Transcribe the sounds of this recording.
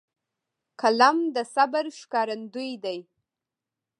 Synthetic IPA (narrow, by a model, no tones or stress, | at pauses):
kʰalamd̪əsabaɾʃkɑɾand̪ujd̪aj